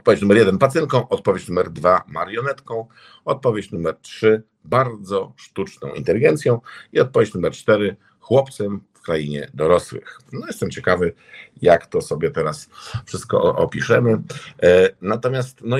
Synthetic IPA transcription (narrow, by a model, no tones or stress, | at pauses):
ɔt̪pɔvʲet͡ɕnumɛɾjɛd̪ɛnpat̪sɛŋkɔ̃w̃ʔɔt̪̚pɔvʲjet͡ɕnumɛɾd̪vama̰ɾjɔnɛt̪kɔ̃w̃ | ɔt̪̚pɔvʲjet͡ɕnumɛɾtʂɘ | baɾd̪zɔʂt̪ut͡ʂnɔ̰̃w̃ḭnt̪ɛlʲiɡɛnt̪sjɔ̃w̃iɔt̪̚pɔvʲjet͡ɕnumɛɾt͡ʂt̪ɛɾɘ | xwɔpt̪sɛmfkɾajiɲɛ̰d̪ɔɾɔswɘ̰xnɔjɛst̪ɛmt͡ɕɛkavɘ | jakt̪ɔsɔbʲjɛt̪ɛɾasfʂɘst̪̚kɔ̰ʔɔpʲiʂɛmɘ | nat̪ɔmʲjast̪nɔ